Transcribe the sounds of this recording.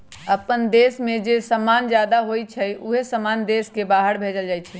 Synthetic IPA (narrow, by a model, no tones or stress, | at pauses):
əpənd̪esmẽd͡ʒesəmand͡ʒjad̪aɦojt͡ʃʰɛuɦesəmand̪eskebaːɦəɽbʱed͡ʒəld͡ʒaːjt͡ʃʰɛ